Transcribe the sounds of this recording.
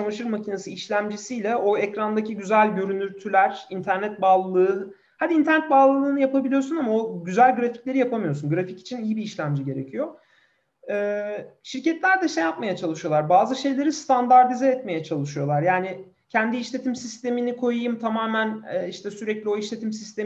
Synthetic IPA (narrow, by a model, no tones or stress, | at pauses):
t͡ʃalˠɯʃɯɾmacʰinasɯiʃlʲæmd͡ʒisijlʲɛʔo̞ɛcɾand̪aciɟyzælʲɟø̞ɾynyɾt̪ʰylʲæɾ̥int̪ʰæɾnɛt̪̚baːlˠalˠɯɯ | had̪int̪ʰæɾnɛt̪̚baːlˠalˠɯːnɯjapabilʲijo̞ɾsunamao̞ɟyzælʲɡɾaficlʲe̞ɾijapamɯjo̞sunɡɾafici̥t͡ʃʰinijibiːʃlʲæmd͡ʒiɟe̞ɾecʰijo̞ | ɛːʃiɾcɛt̪lʲæɾd̪ɛʃejap̚majat͡ʃʰalˠɯʃɯjo̞lˠaɾbaːzɯʃe̞jlʲe̞ɾist̪ʰand̪aɾd̪izɛːt̪me̞jɛt͡ʃʰalˠɯʃɯjo̞lˠaɾjaːnɪ | cʰɛnd̪iːʃlʲe̞t̪ʰimsist̪e̞minikʰo̞jajɯmt̪ʰamaːmænɛːiʃt̪ʰɛsyɾɛclʲio̞iʃlʲe̞t̪ʰimsist̪ʰe